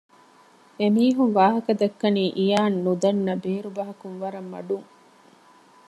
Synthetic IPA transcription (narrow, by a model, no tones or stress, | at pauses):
emiːɦunʋaːɦɐkɐd̪ɐkːɐniːʔijaːnːud̪ɐnːɐbeːɾubɐɦɐkunʋɐɾɐmːɐ̰ɖuŋ